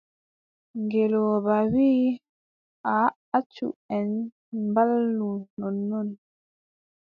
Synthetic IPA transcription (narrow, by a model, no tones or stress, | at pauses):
ŋɡɛlɔbawiː | ʔa | at͡ʃːṵɛn | mbalːunɔnːɔn